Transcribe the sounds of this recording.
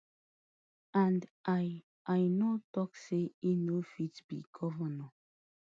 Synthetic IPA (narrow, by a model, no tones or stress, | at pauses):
ãnda | ʔajnotɔkseinofitb̥ḭɡʰɔvənɔ